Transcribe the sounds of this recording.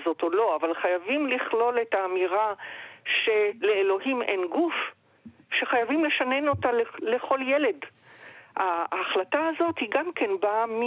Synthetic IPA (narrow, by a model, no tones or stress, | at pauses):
zo̞to̞lo̞avalχajavimliχlo̞le̞taːmiʁaʃe̞le̞elo̞ɦimʔenɡuf | ʃe̞χajavimle̞ʃane̞no̞talle̞χo̞ljele̞d | haːχlataazo̞thiɡamkenbami